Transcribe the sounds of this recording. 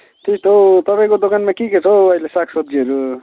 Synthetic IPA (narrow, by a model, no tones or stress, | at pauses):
t̪it̪ʰot̪ʌpaĩkod̪okanmakiket͡sʰʌwʌjlesakʰsʌt̪ːiɦʌɾu